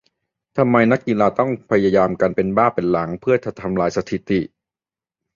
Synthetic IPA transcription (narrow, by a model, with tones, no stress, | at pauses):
t̪ʰa˧mːa˧jna˦˥kːi˧laː˧t̪ɔ˥˩ŋpʰa˧ja˧jaː˧mkaː˧npe˧nbaː˥˩pe˧nla˩˦ŋpʰɯ˥˩ɐt̪ʰa˨˩t̪ʰːa˧mlaː˧jsa˧t̪ʰi˨˩t̪i˨˩ʔ